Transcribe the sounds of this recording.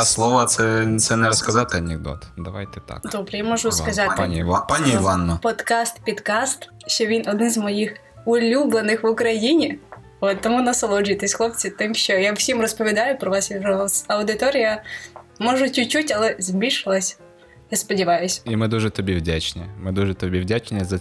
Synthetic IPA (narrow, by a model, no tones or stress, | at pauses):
slˠɔʋɐt̪sɛt̪sɛnɛɾɔskɐzat̪ɪɐnʲɛɡ̚d̪ɔ̰t̪d̪ɐʋa̰jt̪ɪt̪a̰kd̪ɔbɾɛjamɔʒʊskɐzɑt̪pnʲpɑnʲiiʋɑnːɔpɔt̪kɑst̪pʲid̪kɑst̪ | ʃt͡ʃɔʋʲinɔd̪nɪnzmɔjix | ʊlʲublˠenɪxʋʊkɾɐjinʲi | ɔt̪ːɔmunɐsɐlˠɔd͡ʒijt̪ɪsʲxlˠɔpt͡sʲit̪ɪmʃt͡ʃɔjawsʲimrɔspɔʋʲid̪ɑjʊpɾɔʋɑsʋʲiɾɔɔsɐwd̪ɪt̪ɔɾʲɪjɐmɔʒʊt͡ʃʲʊt͡ʃutʲɐlˠɛzʲbʲilʲʃɪlˠɐsʲ | ɪspɔdʲɪʋɑjʊsʲimɪd̪uʐɛt̪ɔbʲiwdʲat͡ʃnʲɛmɪd̪uʒɛt̪ɔbʲiwdʲat͡ʃnʲɛzɐ